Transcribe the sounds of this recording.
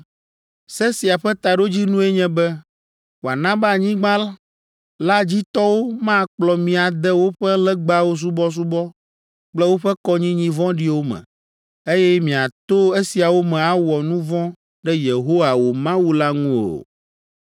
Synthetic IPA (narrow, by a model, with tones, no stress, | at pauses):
sɛ˦si˨a˨ɸɛ˦t̪a˨ɖo˦d͡ʑi˦nũ˦ɛ˦ɲɛ̃˦bɛ˦ | ba˨nã˦ba˦˨ɲĩ˦ɡ͡bã˦la˦ | la˦d͡ʑi˦t̪ɔ˦wo˦mã˦k͡plɔ˨mĩ˨a˨d̪ɛ˦wo˦ɸɛ˦lɛ˦ɡ͡ba˦wo˦s̬u˦bɔ˦s̬u˦bɔ˦ | k͡plɛ˦wo˦ɸɛ˦kɔ˦ɲĩ˦ɲĩ˦vɔ̃˦ɖi˦wo˦mɛ̰̃˨ | e˦jɛ˦mĩ˨a˨t̪o˦e˦si˨a˨wo˦mɛ̃˨a˨wɔ˨nũ˦vɔ̃˦ | ɖɛ˦je˨ɦo˦wa˨wo˨mã˦wu˦la˦ŋũ˦o̰˨